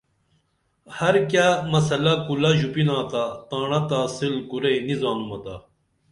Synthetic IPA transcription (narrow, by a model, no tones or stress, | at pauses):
hɐɾkjamɐsɐlɐkulɐʑupinaːt̪at̪aːɳɐt̪aːsilkuɾɐjnizaːnmɐt̪a̰